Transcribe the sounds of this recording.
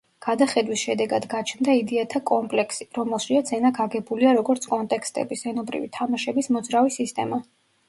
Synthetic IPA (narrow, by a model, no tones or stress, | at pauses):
ɡ̥ad̪aχɛd̪wisʃɛd̪ɛɡad̪ɡat͡ʃʰnd̪aid̪ɛat̪ʰakʼɔmpʼlɛksiɾɔmɛlˠʃiad̪zɛnaɡʰaɡɛbuliaɾɔɡɔɾt̪sʰkʼɔnt̪ʼɛkʰst̪ʼɛ̰bisɛnɔbɾḭvit̪ʰamaʃɛbismɔd̪zɾavisist̪ʼɛ̰ma